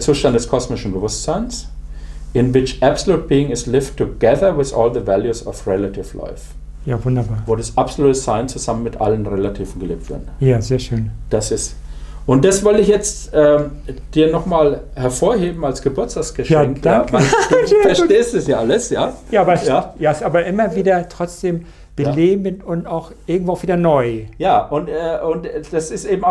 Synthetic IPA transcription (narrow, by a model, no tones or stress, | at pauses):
ɐt͡suːʃtantd̥ɛskʰɔsmɪʃn̩bəvʊstz̥aɪns | ʔɪnvɪt͡ʃʔɛbsoluːt̚b̥iːɪŋɪslɪftʰːʊɡɛðəwɪθʔɔ̰ːlðəvæljusɔ̰fʁɛlatʰɪfla̰ɪf | jaːvʊndɐbaːɐvoːdusʔapsoluːtəzaɪnt͡suzamənmɪtʔa̰lənʁelatʰiːvn̩ɡəlḭːp̚tv̥ɪ̰dnjaːzeːɐʃøːnd̥asɪst | ʔʊnt̚d̥asv̥ɔltɪçjɛt͡stʔɛːd̥iːɐnɔχmaːl | hɛɐfoːɐɦeːbm̩alsɡ̥əbʊɐtt͡sstaːksɡ̥əʃjaɛːŋkdaŋkad̥fɛɐʃteːstd̥asjaːʔaləsjaːjaːʔaːbɐsjaːjaːɪsaːbɐʔɪmɐviːdɐtʁ̥ɔt͡sd̥eːm | b̥əleːbəntʊntaʊxʔɪɐɡŋtv̥oːaʊv̥iːdɐnɔʏjaːʔʊntɛːʔʊntd̥asɪstʔeːbm̩a